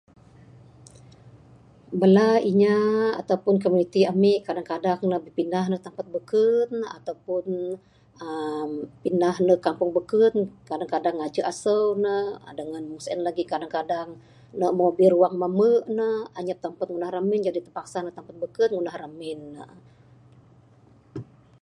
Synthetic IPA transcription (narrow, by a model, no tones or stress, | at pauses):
bəlaiɲaa̰t̪awpʊnkomunit̪iamiʔkadaŋkadaŋnəbəpindahnəht̪ampat̪̚bəkəna̰t̪awpʊn | əmpindahnəhkampʊŋbəkənkadaŋkadaŋad͡ʒəʔasəwnə̰dəŋanmuŋsənlaɡikadaŋkadaŋ | nəmobɪruwaŋmaməʔnəaɲap̚t̪ampat̪̚ŋunahramɪnd͡ʒadit̪əpaksanət̪ampat̪̚bəkət̪̚ŋunahramɪnːə